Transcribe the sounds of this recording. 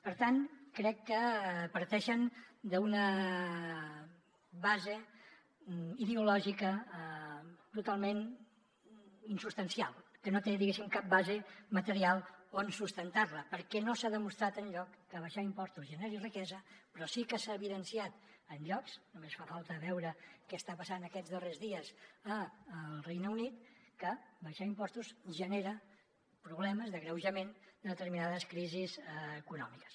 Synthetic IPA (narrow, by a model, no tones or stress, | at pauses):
pəɾt̪ankɾɛkːəpəɾt̪ɛʃənd̪əunə | βazə | iðeulɔʒikə | t̪ut̪alˠmen | insust̪ənsialˠkənot̪eðiɣesimkap̚bazəmət̪əɾialˠoənsust̪ənt̪arləpəɾkɛnosaðəmust̪ɾat̪ənʎɔkːəβəʃaimpɔst̪uzʒəneɾirikɛzəpɾɔsikəsaəβiðənsiat̪ənʎɔksnumesfafalˠt̪əːβɛwɾəkɛəst̪apəsanəkɛzðərezðiəzəːlˠrejnəunit̪kəbəʃaimpɔst̪uzʒəneɾə | pɾuβlɛməzðəɣɾəwʒəmend̪əðət̪əɾminaðəskɾizizːkunɔmikə̥s